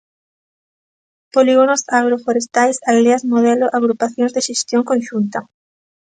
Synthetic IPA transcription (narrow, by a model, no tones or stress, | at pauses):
poliɣonosaɣ̞ɾofoɾest̪ajsaleazmoðɛloʔaɣɾupaθjõŋzðeʃest̪jõŋkõnʃunt̪ɐ